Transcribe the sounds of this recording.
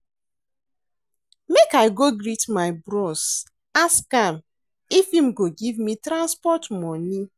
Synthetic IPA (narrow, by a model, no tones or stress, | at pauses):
mekaɪɡoɡɾitmaɪbɾɔs | askam | ifim̩ɡoɡivmitɾãnspɔtmɔni